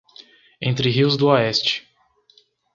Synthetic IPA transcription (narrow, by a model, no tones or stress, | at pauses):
ẽnt̪ɾɪɦiwzd̪ʊoɛst͡ʃɪ̥